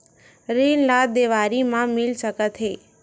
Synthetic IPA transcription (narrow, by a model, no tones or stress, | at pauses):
ɾenlad̪eʋaɾimãmilsəkət̪ʰɦe